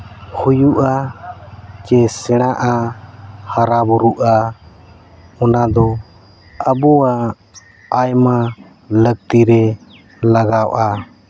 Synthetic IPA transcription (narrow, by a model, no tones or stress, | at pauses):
hujuʔa | t͡ʃɛsɛɽ̃aʔa | haɾabuɾuʔa | ɔnad̪ɔ | əbɔwaː | jma | ləɡ̚t̪iɾɛ | laɡawʔa